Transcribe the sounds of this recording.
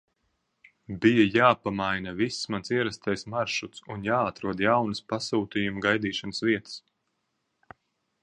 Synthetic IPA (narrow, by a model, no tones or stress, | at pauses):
bijajaːpamajnavisːmansiɛɾast̪ajsmaɾʃut̪sunjaːat̪ɾuɔd̪jawnɨspasuːt̪ijumɡajd̪iːʃanəsviɛt̪ə̥s